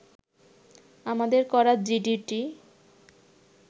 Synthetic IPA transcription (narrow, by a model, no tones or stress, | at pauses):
amad̪eɾkɔɾad͡ʑiɖiʈi